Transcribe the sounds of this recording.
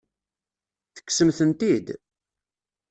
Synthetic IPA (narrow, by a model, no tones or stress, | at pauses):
θə̥kːsəmθənt̪id̪